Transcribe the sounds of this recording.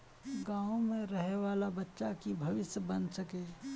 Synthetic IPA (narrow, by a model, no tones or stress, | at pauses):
ɡãːõmẽɾəɦeʋaːlabətːʃakibʱɐʋɪsjəbənsəke